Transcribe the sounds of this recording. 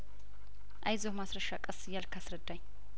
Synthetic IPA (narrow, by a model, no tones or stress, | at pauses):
ʔajzəwmasɾəʃakʼəsɨjːalkʰasɾəd̪ːaɲː